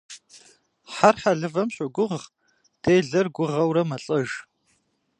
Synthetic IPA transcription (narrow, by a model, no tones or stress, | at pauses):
ħarħaɮɨvɐmɕʼʊɡʷʊʁ | d̥eːɮɐrɡʷʊʁɐwɾɐmɐɬʼɐʒ